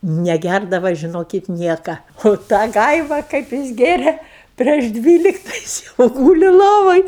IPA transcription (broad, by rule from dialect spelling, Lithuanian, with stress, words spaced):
nʲɛˈɡʲærdɐʋɐ ʒʲɪˈnoːkʲɪt ˈnʲiɛkɐ oː ˈtɑː ˈɡɐɪʋɐ kɐɪp ˈjɪs ˈɡʲeːrʲeː pʲrʲiɛʃ ˈdʲʋʲiːlʲɪktɐ ˈjɪs jɛʊ ˈɡuːlʲɪ ˈlˠoːʋoːj